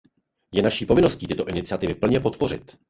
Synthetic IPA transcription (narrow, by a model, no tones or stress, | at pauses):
jɛnaʃiːpo̞vɪno̞sciːt̪ɪt̪o̞ʔɪnɪt͡sɪat̪ɪvɪpl̩ɲɛpo̞t̪po̞r̝ɪ̰t̪